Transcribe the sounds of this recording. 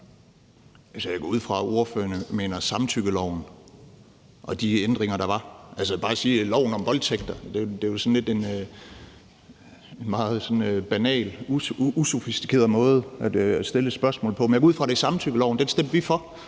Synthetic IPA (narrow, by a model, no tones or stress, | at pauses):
ælsəjäɡ̥ɔuð̰ˠfʁɑ̈o̝ɐfø̰ːɐnəme̝̰ːnɐsɑ̈mt͡sʰyɡ̥əlɒʊ̰n̩ | ʔɒ̽d̥iend̥ʁeŋɐɾ̥ɑ̈ʋɑ̈ʔælsəb̥ɑ̈ːæsiːlɒʊ̰n̩ɒ̽mʋɒ̽ld̥sʰeɡ̥̚d̥ɐd̥e̝d̥e̝æsɔ̽n̩le̝d̥e̝n | e̝nmɑ̈ːð̞̩ˠsɒ̽nb̥ænɛ̰ːluuso̝fisd̥i̥kʰe̝ːɐð̩ˠmɔ̽ːð̞̩ˠʔæd̥sd̥e̝lə̥sb̥ɶɐsmɔ̽l̩pʰɒ̽mjaɡ̥ɒuðˠfʁɑ̈ɾ̥e̝sɑ̈mt͡sʰyɡ̥əlɒʊnd̥ensd̥em̰d̥ʋifɒ